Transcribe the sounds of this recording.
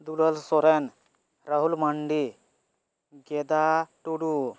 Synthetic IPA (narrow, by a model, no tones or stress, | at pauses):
d̪uləlsɔɾen | ɾəɦulmɐɳɖi | ɡed̪aʈuɽu